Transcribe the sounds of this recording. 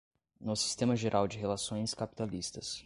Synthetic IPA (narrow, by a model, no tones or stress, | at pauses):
nʊsi̥st̪ẽmɐʒeɾʔawd͡ʒɪɦelasõj̃skapi̥t̪alist̪ɐs